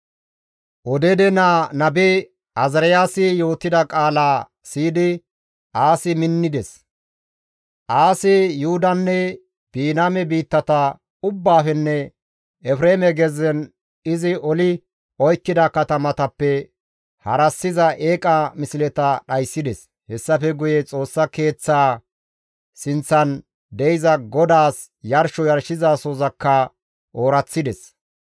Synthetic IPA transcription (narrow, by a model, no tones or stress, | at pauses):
ʔɔd̪ɛd̪ɛnaːnɐbɛ | ɐzɐɾɛjaːsɪjo̞ːt̪ːɪd̪ɐkʼaːlaː | siːd̪ɪ | ʔaːsɪmɪnːɪd̪ɛs | ʔaːsɪjʊhʊd̪ɐnːɛ | b̥iːnaːmɛbiːt̪ːɐt̪ɐ | ʊbːaːfɛnːɛ | ɛfɾeːmɛɡɛzɛn | ɪzɪʔɔlɪ | ɔjkːɪd̪ɐkɐt̪ɐmɐt̪ɐpːɛ | hɐ̰ɾɐsːɪzɐʔeːkʼɐmɪsɪlɛt̪ɐɗɐjsːɪd̪ɛs | hɛsːɐfɛɡʊjɛt͡sʼo̞ːsːɐke̞ːt͡sːaː | sɪnt͡sːɐn | d̪ɛjɪzɐɡɔd̪aːs | jɐɾʃɔjɐɾʃɪzaːsoːzɐkːɐ | ʔo̞ːɾɐt͡sːɪd̪ɛs